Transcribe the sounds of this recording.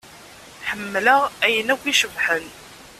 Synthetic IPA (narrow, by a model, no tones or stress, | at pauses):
ħəmːləʁæjənækʷːiʃəvħən